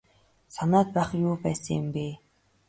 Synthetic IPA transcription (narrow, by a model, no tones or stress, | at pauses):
sanaːt̪̚pæːχjuːpæːsə̃̆ŋjɪmpeː